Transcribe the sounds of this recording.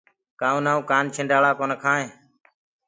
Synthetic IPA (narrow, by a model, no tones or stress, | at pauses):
kaːũːnaːũːkaːnt͡ʃʰɪ̃ːɳɖaːɭaːkoːnəkʰãːɦẽː